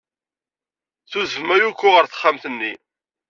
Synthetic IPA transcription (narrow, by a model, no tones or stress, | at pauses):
θuzəvmæjukʷːʊʁəɾθə̥χːamθənːi